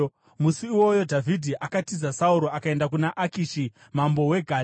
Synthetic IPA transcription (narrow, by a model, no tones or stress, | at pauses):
musiiwo̞jo̞dʱavʱidʱiʔakatizasauɾo̞akae̞ndakunaʔakiʃi | mambo̞we̞ɡʱaː